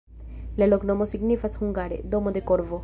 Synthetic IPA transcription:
lɛloknɔmosiɡnifɐshuŋɡaːɾḛd̪omod̪ekoɽʋo

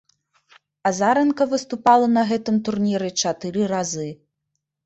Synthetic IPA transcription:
azaɾɛnkɐvɨst̪upalˠɐnɐɣɛt̪ɨmt̪urnʲiɾɨt͡ʂat̪ɨɾɨrazɨ

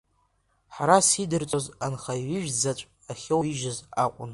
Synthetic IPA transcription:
ħaɾasidɨrt͡sʷʼozanχaiɥɪʒᶣd͡zat͡ʃʷʼ | aχʲewiʒazaqʷʼʊ̰n

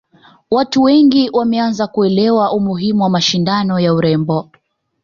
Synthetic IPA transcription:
watuwɛŋɡiwʔamɛanzakuɛlɛwaʔumuɦimuwamaʃindanɔjauɾɛmbɔ

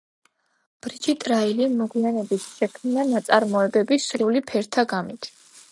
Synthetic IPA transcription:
b̥ɾid͡ʒit̪ʼɾailimɔɡwianɛbit̪ʰʃɛkʰmnanat̪sʼaɾmɔɛbɛbisɾulipʰɛɾt̪ʰaɡamit̪ʰ

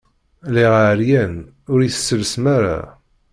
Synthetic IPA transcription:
liʁʕɾjæn | ʊɾiθsːəlsmaɾa̰

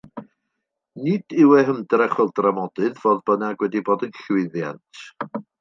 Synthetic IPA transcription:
nɪd̥ɪwɛɦəmdrɛχɔlˠdramɔd̥ɨðvoːðb̥ənaɡwɛdiboːdənɬwɪðja̰ntʰ

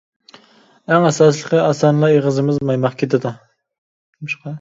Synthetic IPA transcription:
æŋɛsɑːs̬lˠəqʰəɑsɑnlˠɑeʁəzɨmɨzmɑjmɑqkʲʰet̪ʰɪd̪u | muʃqɑ

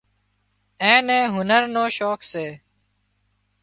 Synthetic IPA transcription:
ẽːnẽːɦʊnəɾnoːʃoːkseː

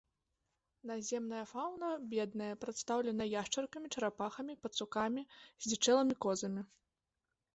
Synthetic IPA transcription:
nazʲɛmnɐjɐfawnɐbʲɛd̪nɐjɐpɾat̪st̪awlʲɛnɐjɐjaʂt͡ʂɐrkɐmʲit͡ʂɐɾapaxɐmʲipɐt̪sukamʲizʲdʲit͡ʂɛlˠɐmʲikɔzɐmʲi

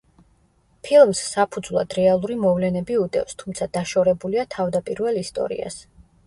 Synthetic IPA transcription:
pʰilˠmsːapʰud̪zvlˠa̰d̪ɾɛalˠuɾimɔvlɛnɛbiud̪ʼɛ̰fst̪ʰumt̪sʰad̪̥aʃɔɾɛbuliat̪ʰavd̪apʼiɾvɛlist̪ʼɔ̰ɾḭa̰s

